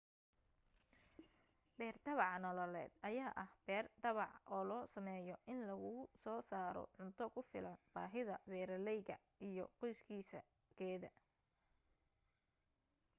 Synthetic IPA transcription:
bɛːrd̪ɐβɑʕnɔlɔlɛ̰ːd̪ɐjaːʔɐhb̥ɛːrd̪ɐβɑʕʔɔːlɔːsɐmɛːjɔʔɪnlɐɣʊʊsɔːsaːɾɔ̰ʕʊnt̪ʰɔkʰʊfɪ̰lɐnb̥aːɦɪðɐwɛːɾɐlɛjɣɐ̰ | ijɔ̰qɔjskʰiːsɐ̰ | ɡɛːðɐ

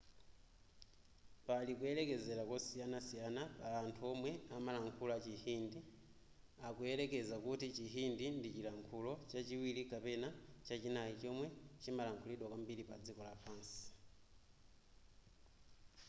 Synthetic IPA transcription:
palikuɛlɛkɛzɛɾakɔsijanasijanapaːntʰuɔmwɛamalaŋkʰulat͡ʃihindi | akuɛlɛkɛzakutit͡ʃiɦindindit͡ʃilaŋkʰulɔt͡ʃat͡ʃiwilikapɛnat͡ʃat͡ʃinajit͡ʃɔmwɛt͡ʃimalaŋkʰuliɗwakambiɾipa̰d͡zikɔlapʰaːnsi̥

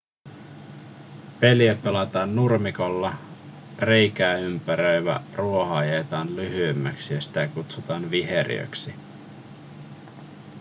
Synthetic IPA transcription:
pe̞liæpe̞lɑt̪ɑːnːurmiko̞lːɑ | re̞jkæːympæɾøjʋæ̰ruo̞ɦɑjeːt̪ɑːnlyɦyemːæksijɑsi̥t̪ækut̪sut̪ɑːnʋiɦeɾḭø̰ksi

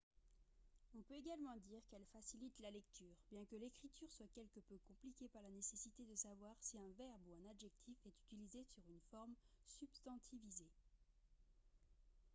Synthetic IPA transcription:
ɔ̃pøeɡalmɑ̃d̪iːʁkɛlfasilit̪lalɛk̚t̪ʰyːʁbjɛ̃kəlekχit̪ʰyʁswakʲɛlkəpøkɔ̃plikʲepaʁlanesesit̪ed̪əsavwaʁsiɛ̃vɛʁbuɛ̃nad̪ʒɛk̚t̪ʰifɛt̪y̥t̪ilizesyʁynfɔʁmsybst̪ɑ̃t̪ʰivize

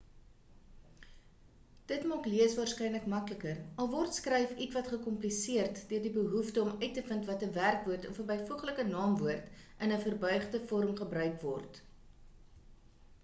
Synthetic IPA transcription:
d̥ətmɑːkliəsvɑːrskɛjnləkmɐkləkərɐlˠvɔrtskrɛjfitvɐtχəkɔmplisiərtdøərdibəɦuftəɔmœɥtːəfəntvɐtəværkvuərtɔfəbəjfuəχləkənɑːmvuərtʔənəfərbœɥχdəfɔɾəmχəbrœɥkvɔrt

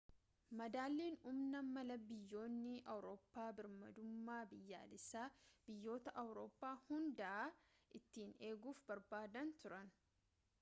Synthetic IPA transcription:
mɐd̪aːlːiːnʊmnɐmɐlɐbɪjːo̞ːnːɪʔɐwɾo̞ːpːaːbɪɾmɐd̪ʊmːaːbɪjːa̰ːlɪsaːb̥ɪjːo̞ːt̪ɐʔɐwɾo̞ːpːaːhʊnd̪ɐʔaː | ʔɪt̪ːiːne̞ːɡuːfbɐɾbaːd̪ɐnt̪ʊɾɐn

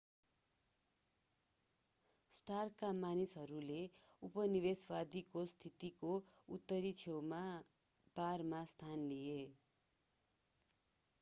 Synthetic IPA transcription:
sʈarkamanisɦʌɾuleupʌniβesbad̪ikost̪ʰit̪ikout̪ːʌɾit͡sʰewma | barmast̪ʰanlie

